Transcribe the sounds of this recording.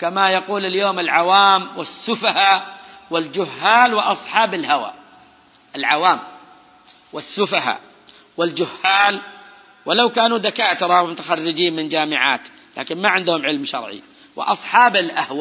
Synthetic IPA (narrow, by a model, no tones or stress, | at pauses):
kamajaquːlɪljoːmɪlʕawaːmwɪsːʊfahawɪld͡ʒʊhːaːlwɪʔɑsˤħɑːbɪlhawa̰ | ʔɪlʕawaːm | wɪsːʊfaha̰ | wɪld͡ʒʊhːaːl | wɪlawkaːnuðakaːt̪ʊɾˤɑmʊt̪ḁxarːɪd͡ʒiːnmɪnd͡ʒaːmɪʕa̰ːt̪ | la̰ːkɪnmaʕɪnd̪hʊmʕɪlmʃɑ̰ɾˤʕḭ | wɪ̰ʔɑ̰sˤħɑːbɪlʔahwa